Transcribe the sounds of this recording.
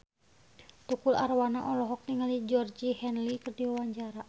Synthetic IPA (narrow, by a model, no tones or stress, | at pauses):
t̪ukula̰rwanaʔɔlɔɦɔk̚niŋalid͡ʒɔrd͡ʒihɛnlikɨrdiwawaɲd͡ʒaɾa